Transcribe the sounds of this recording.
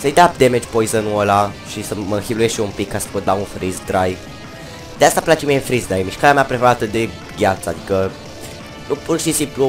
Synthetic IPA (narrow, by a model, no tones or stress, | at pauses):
səjd̪eap̚d̪emed͡ʒpojzənuolaʃisəməɨ̃xilujeʃiumpikːasə̥pot̪launfɾizd̪ɾajv | d̪east̪aplat͡ʃemienfɾizd̪ɾajmiʃkaɾeameapɾefeɾat̪əd̪e | ɡʲat̪sad̪ikə | nupurʃisimplu